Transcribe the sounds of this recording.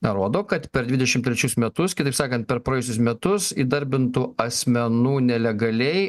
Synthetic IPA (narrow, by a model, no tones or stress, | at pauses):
nɾoːd̪oːkɐt̪pʲɛɾd̪ʲʋʲɪd̪ʲɛʃʲɪmt̪ʲɾʲɛt͡ʃʲʊsmʲɛt̪ʊskʲɪt̪ɐɪpsɑːkɐnt̪̚pʲɛɾpɾoɛjʊsʲʊsmʲɛt̪ʊsiːd̪ɐɾʲbʲɪnt̪uːɐsʲmʲɛnuːnʲɛlʲɛɡɐlʲɛɪ